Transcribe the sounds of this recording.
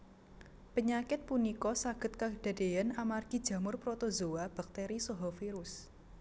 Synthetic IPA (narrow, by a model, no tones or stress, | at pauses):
pəɲakɪt̪̚punikɔsaɡ̥ə̤t̪̚kad̥a̤d̥e̤janamarɡ̥i̤̥d͡ʒ̥ä̤mʊrpɾot̪ozowab̥a̤k̚t̪eɾisɔɦɔfiɾʊs